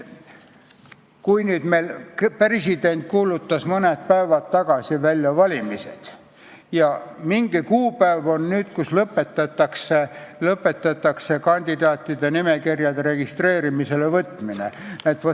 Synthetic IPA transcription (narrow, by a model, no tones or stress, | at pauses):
kujnyːd̪melpresid̪̥e̞nt̪̚ˑkuːlut̪ːɑsmɤnet̪̚pæevɑt̪ːɑɡ̥ɑsivælʲjɑvɑlʲimise̞̰d̪̥ | jɑmiŋɡ̥ikuːpæevo̞nnyːd̪̥kuslɤpːˑe̞t̪ːˑɑt̪ːˑɑkselɤpːˑe̞t̪ːˑɑt̪ːˑɑkse̞kɑnʲd̪id̪ɑːt̪ːˑid̪̥enime̞kirjɑd̪eɾe̞ɡ̥ist̪re̞ːɾimise̞levɤt̪ːˑminḛnet̪ːv